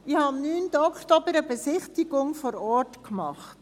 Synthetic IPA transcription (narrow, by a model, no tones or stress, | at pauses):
ihɑnnyːndɔktɔbəɾəbesɪχtiɡʊŋfɔɾɔːɹtkmɑχt